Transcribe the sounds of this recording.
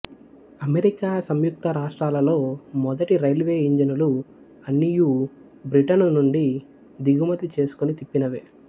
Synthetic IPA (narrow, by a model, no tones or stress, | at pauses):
ɐmeɾikaːsɐmjukt̪ɐɾaːʂʈɾaːlɐlo̞ːmɔd̪ɐʈiɾɐjlʋe̞ːiɲd͡ʒɐnulu | ɐnːiju | bɾiʈɐnnuɳɖi | d̪iɡumɐt̪it͡ʃe̞ːsu̥kunit̪ipːinɐʋeː